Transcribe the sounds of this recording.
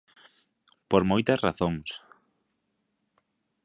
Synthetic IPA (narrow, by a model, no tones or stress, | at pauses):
poɾmojt̪ɐsraθoŋs